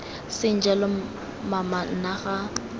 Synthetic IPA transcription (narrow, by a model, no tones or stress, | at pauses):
sɪn̩d͡ʒalɪ | maman̩naɣa